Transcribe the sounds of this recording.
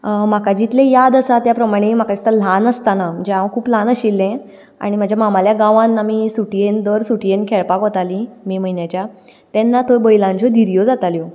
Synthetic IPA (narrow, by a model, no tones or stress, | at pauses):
m̤akad͡ʑit̪lẽjad̪əsat̪japɾəmaɽ̃em̤akait̪alanəst̪anam̤əɳd͡zeaʋə̃kʰuːplanəɕilːẽ | a̰ɽ̃im̤ad͡ʑʱjamamaljaɡaʋãnːamiːsuʈijend̪əɾsuʈijenkʰeɭpakʋɔt̪alimiːməjnjat͡ɕja | t̪ɛnːat̪ʰobəjlãɲt͡ɕod̪ʱiɾjod͡zat̪aljo